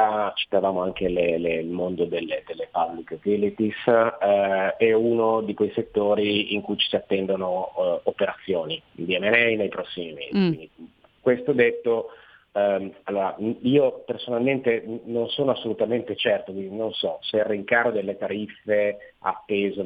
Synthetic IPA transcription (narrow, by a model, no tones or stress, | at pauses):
at͡ʃi̥t̪avaːmoaŋkeleleilmond̪od̪elːed̪elːepabɾiket̪ilit̪is | ɛunod̪ikwejset̪ːoːɾiiŋkujt͡ʃi̥siat̪ːɛnd̪onoːpeɾat̪sːjoːnid̪iɛmɛnɛjnejpɾɔsːimimḛːzikwind̪i | kwest̪od̪et̪ːo | alːoːɾa̰iːopersonalment̪enonsoːnoasːolut̪ament̪et͡ʃɛrt̪okwind̪inonsɔserːiŋkaːɾod̪elːet̪aɾifːe | a̰t̪ːeːzo